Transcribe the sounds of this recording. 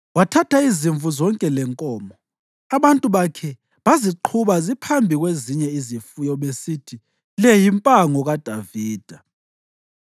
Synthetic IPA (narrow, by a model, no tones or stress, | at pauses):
watʰatʰaiziɱvʱuzɔŋkʼɛlɛŋkʼɔːmɔ | aβantʼuβakʰɛ | βaziǃʰuβazipʰambʱiɣweziɲɛizifujɔɓesitʰi | lɛjimpʼaŋɔɣad̥ʱaviːd̥ʱa